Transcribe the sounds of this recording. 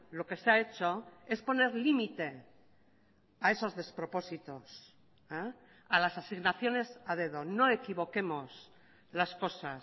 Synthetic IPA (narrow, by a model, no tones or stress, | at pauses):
lo̞ke̞seae̞t͡ʃo̞e̞spo̞ne̞ɾlimit̪e̞ | ae̞so̞zðe̞spɾo̞po̞sit̪o̞s | a | alasasiɣnaθjo̞ne̞sað̞e̞ðo̞no̞e̞kiβo̞ke̞mo̞s | lasko̞sas